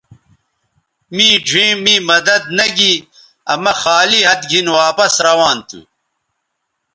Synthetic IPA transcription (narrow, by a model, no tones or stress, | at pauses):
miːɖʱĩːmiːmɐd̪ɐd̪̚nɐɡi | ɐmɐxaːliɦɐt̪ɡʱinwaːpɐsɾɐwaːnt̪ʰṵ